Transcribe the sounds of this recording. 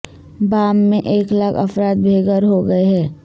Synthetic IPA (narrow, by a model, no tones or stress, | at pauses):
baːmːẽʔeːklakɐ̰fɾaːt̪̚bʱeːɡəɾɦoɡɐeɦɛː